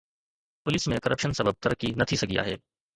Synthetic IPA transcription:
pʊlɪsmẽkɐɾʔəpʃənsɐbəb̚t̪ɐɾkːinɐt̪ʰisɐkija̰ːɦɛː

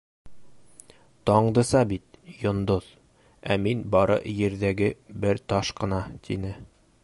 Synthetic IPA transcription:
t̪ɒɴd̪ɤ̆sɑbit̪jŏnd̪oð | æminbɒɾɤ̰jɘ̆ɾðæɡɘbɘɾt̪ɒʃqɤ̆nɑt̪ʰinɘ

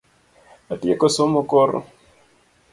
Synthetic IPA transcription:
atiekosomokoɾo̰

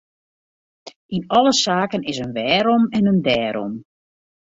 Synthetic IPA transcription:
inɔlˠəsaːkənɪsənʋɛːɾomɛnəndɛːɾɔ̰m

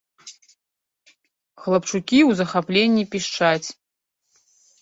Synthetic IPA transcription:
χlˠapʈ͡ʂʰukʲiuzɐχaplʲenʲipʲiʂʈ͡ʂʰat͡sʲʰ

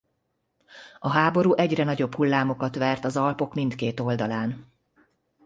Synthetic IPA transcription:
ɒɦaːbo̞ɾuːʔɛɟrɛnɒɟo̞bhulːaːmo̞kɒt̪ʋɛrt̪ɒzɒlpo̞kmint̪keːt̪o̞ld̪ɒlaːn

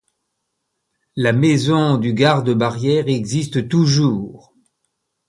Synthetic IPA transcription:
lamɛzɔ̃d̪yɡaʁd̪əbaʁjɛʁɛɡzist̪t̪uʒuːʁ

